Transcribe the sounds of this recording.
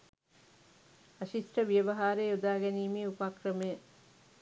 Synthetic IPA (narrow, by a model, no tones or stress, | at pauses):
aʃisʈəʋijəʋɐɦaːɾeːud̪aːɡɛniːmiːupakrəmejə